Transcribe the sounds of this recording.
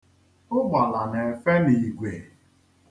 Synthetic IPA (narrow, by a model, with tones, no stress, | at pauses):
ʊ˦ɡ͡ba˨la˨ne˨e˨fe˦ni˨ɡʷe˨